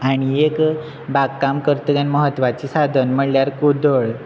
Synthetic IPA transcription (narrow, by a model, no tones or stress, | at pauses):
aɽ̃iek | baɡkːamkəɾt̪əɡjanməɦət̪ːʋat͡ɕisad̪ʱənməɽljaɾkud̪ʱəɭ